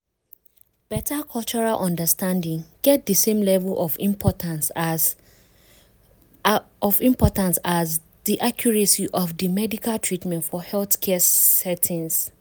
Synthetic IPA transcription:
b̥ɛtʰakʰɔlˠt͡ʃɔɹalʔɔ̃ndəstãndĩŋɡ̥ɛt̚dəsẽmlɛvəlʔɔfĩmpʰɔtʰãns | ɔvĩmpʰɔtãnsaz | diʔakʰjɔɹesiʔɔfdəmɛdikalˠtʰɹitmɛ̃ntfɔhɛlθkʰɛsɛtʰĩns

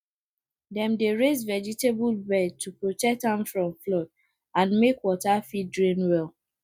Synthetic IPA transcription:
dɛ̃mdeɹezvɛd͡ʒitebulbɛd̚tːupɹotɛk̚tãmfɹɔ̃mflɔd̚ | ãnmekwɔtafidɹĩnwɛlˠ

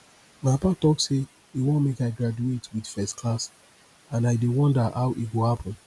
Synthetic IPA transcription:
maɪpatɔkse | iwõnmekaɪɡɹad͡ʒuetwidfɛstkʰlas | ãnaɪdewɔ̃ndəʔaʊʔiɡohapʰɔ̃n

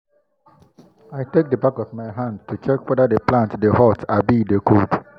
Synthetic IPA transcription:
ajtek̚dəbakɔvmajɦãndtut͡ʃɛkwɛdədeplãntdehɔtabidekʰod

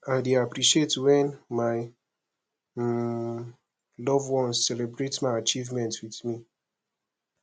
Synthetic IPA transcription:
aɪdeapɾiʃietwɛ̃nmaɪ | lɔvwɔ̃nzsɛlebɾetmaɪat͡ʃivmɛ̃ntwiθmi

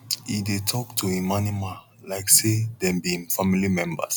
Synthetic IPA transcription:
idetʰɔktʰuimanimã | laɪksedɛ̃mbiĩŋfamilimɛ̃mbə̰s

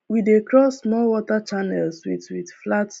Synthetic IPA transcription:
widekɹɔsmɔwɔtat͡ʃanɛlswitwidflat

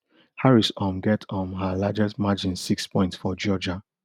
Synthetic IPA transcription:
haɹisɔ̃mɡɛtʰɔ̃nɦalad͡ʒɛstmad͡ʒĩnsikspɔ̃ɪ̃ntsfɔd͡ʒɔd͡ʒa

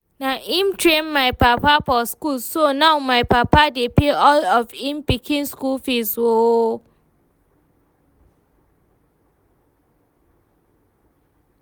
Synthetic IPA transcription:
naʔĩmtʰɹẽnmajpapafɔskulsonawmajpapadepeɔlɔfĩmpikʰĩnskulfiswo

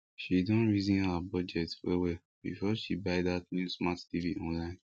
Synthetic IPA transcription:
ʃidɔ̃nɹizĩnabɔd͡ʒɛtewe | bḭfɔʃibaɪðatnjusmattiviʔɔ̃nlãɪ̃n

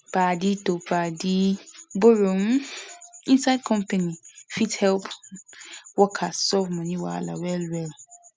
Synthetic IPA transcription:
b̥aːdɪdob̥aːdiboɾom̃ĩnsaɪd̚kʰɔ̃mpʰanĩfithɛlpʰ | wɔkʰasɔvmʊ̃nĩwɔa̰la̰wɛlwɛl

